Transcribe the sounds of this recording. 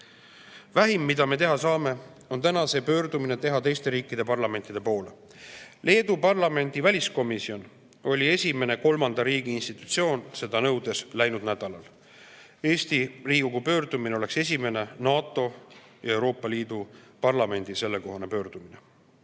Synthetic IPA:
væɦimːid̪̥ɑme̞t̪e̞ɦɑsɑːme̞ | o̞nt̪ænɑse̞pø̞ːrd̪̥umine̞t̪e̞ɦɑt̪e̞jst̪e̞ɾiːkːˑid̪e̞pɑrlɑme̞nt̪ːid̪̥e̞po̞ːle | le̞ːd̪upɑrlɑme̞nd̪̥ivælʲisko̞misio̞n | o̞lʲie̞sʲimene̞ko̞lmɑnd̪ɑɾiːɡ̥iinst̪it̪ˑu̥t̪sio̞ːnse̞d̪̥ɑnɤwd̪̥e̞slæjnud̪̥næd̪̥ɑlɑl | e̞ːst̪iriːɡ̥ukupø̞ːrd̪̥umineo̞le̞kse̞s̬ʲime̞ne̞nɑːt̪ːˑo̞jɑewɾo̞ːpːˑɑliːd̪̥upɑrlɑme̞nʲd̪̥ise̞lːeko̞ɦɑne̞pø̞ːrd̪̥umine̞

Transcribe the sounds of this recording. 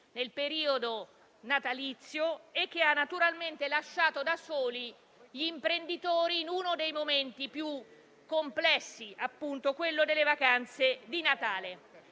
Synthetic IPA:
nelpeɾiːod̪o | nat̪alit̪sːjoek̟ːeanːat̪uɾalment̪elaʃːaːt̪od̪asoːli | ʎiːmpɾend̪it̪oːɾiːnunod̪ejmoment̪ipju | kːomplɛsːiʔapːunt̪okwelːod̪elːevakant̪sed̪inat̪aːle

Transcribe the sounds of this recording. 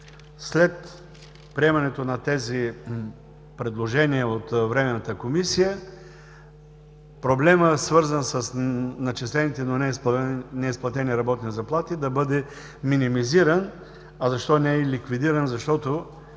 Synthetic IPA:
slɛt̪ | pɾiɛmɐnɛt̪onɐt̪ɛzi | pɾɛd̪lˠoʒɛniəot̪vɾɛmɛnɐt̪əkomisijə | pɾoblɛməsvɤɾzənsəsnɐt͡ʃislɛnit̪ɛnonɛsnɛisplˠɐt̪ɛniɾɐbɔt̪nizɐplˠat̪id̪ɐbɤd̪ɛ | minimiziɾən | ɐzɐʃt̪ɔnɛɛlikvid̪iɾənzɐʃt̪ɔt̪o

